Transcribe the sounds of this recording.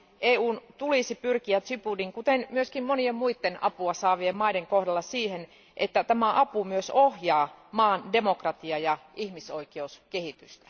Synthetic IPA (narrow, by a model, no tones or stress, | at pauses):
ʔeːuːnt̪ulisipyrkiæt̪sypudiŋkut̪enmyøskimmoniemmuit̪ːenɑ̰puɑsɑːʋiemmɑideŋkohdɑlːɑsiːhen | ʔet̪ːæt̪æmæʔɑpumyøsohjɑːmɑːnde̞mokrɑt̪iɑjɑihmisoikeuskehit̪yst̪æ̥